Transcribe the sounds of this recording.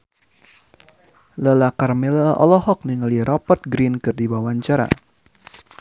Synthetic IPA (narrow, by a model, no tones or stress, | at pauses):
ləlakarmɛlaaʔɔlɔhɔk̚niŋaliɾɔpɔt̪̚ɡɾinkɨrdiwawaɲt͡ʃaɾa̰